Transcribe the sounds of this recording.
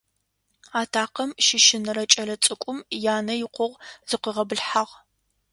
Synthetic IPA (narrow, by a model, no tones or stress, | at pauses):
aːtʰaːqɐmʃɪʃɪnɨɾɐt͡ʃʼɐrɐt͡sʼɨkʷʼʊmjaːnɐjɪqʷʊʁz̥ɨqəʁɐbɨɮħaʁ